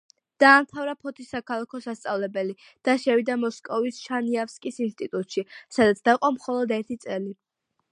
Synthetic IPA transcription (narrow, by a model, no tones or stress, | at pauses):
d̪̥aːmt̪ʰavɾapʰɔt̪ʰisːakʰalˠakʰɔsast̪sʼavlɛbɛli | d̪̥aʃɛvid̪amɔskʼɔvisʃaniafskʼisinst̪ʼit̪ʼut̪ʼʃisad̪at̪sʰd̪aiqʼɔmχɔlˠɔd̪ɛɾt̪ʰit̪sʼɛli